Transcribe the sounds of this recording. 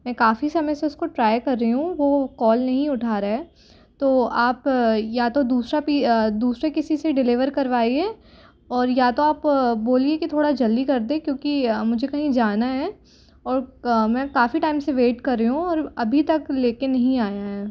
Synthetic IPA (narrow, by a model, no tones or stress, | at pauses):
mɛ̃ːkaːfisɐməjseʊskoʈɾaːjkɐɾːɐɦiɦũʋokɔːlnɐɦĩʊʈʰaːɾaɦɛː | t̪oːaːpjat̪od̪uːsɾapiːd̪uːsɾekɪsiseɖɪlɪʋəɾkɐɾʋaːiɛː | ɔːɾjat̪oaːpboːliekit̪ʰoːɽad͡ʒɐld̪ikɐɾd̪ẽːkjõːkimʊd͡ʒʱekɐɦĩd͡ʒaːnaɦɛː | ɔːɾmɛ̃ːkaːfiʈaːɪmseʋeːʈkɐɾːɐɦũɔːɾɐbʱit̪ɐkleːkenɐɦĩaːjaɦɛː